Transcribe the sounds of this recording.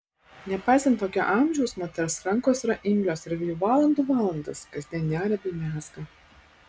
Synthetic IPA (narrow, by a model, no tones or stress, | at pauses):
nʲɛpɑˑɪsʲɛnt̪ːoːkʲo̰ʔɑːˑmʲʒʲɛʊsmɔt̪ʲɛɾsɾɐŋˑkoːsɾɐʔɪmʲlʲoːsɪɾʋʲɪjuːʋɑːlˠɐnd̪uːʋɑːlˠɐnd̪ɐskɐzʲd̪ʲiɛnʲnʲæːɾʲɛbʲɛɪmʲæːsɡɐ